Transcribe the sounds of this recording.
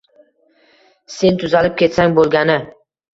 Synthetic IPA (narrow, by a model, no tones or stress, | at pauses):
se̞nt̪ʰʊzalɪp̚kʲʰe̞t̪saŋbolˠɡʲanɪ